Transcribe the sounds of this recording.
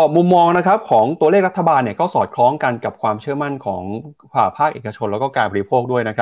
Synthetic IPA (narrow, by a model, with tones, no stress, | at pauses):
ɔː˨˩mu˧mːɔː˧ŋna˦˥kʰɾa˦˥p̚kʰɔː˩˦ŋt̪u˧əleː˥˩k̚a˦˥t̪ʰːa˧baː˧nːi˥˩ɐkɔː˥˩sɔː˨˩t̪̚kʰlɔː˦˥ŋka˧nka˨˩p̚kʰwaː˧mt͡ɕʰɯ˥˩əma˥˩nkʰɔː˩˦ŋfʰaː˨˩pʰaː˥˩k̚ʔeː˨˩ka˧t͡ɕʰo˧lɛ˦˥kɔː˥˩kaː˧nbɔ˧ɾi˦˥pʰoː˥˩k̚du˥˩əjna˦˥kʰ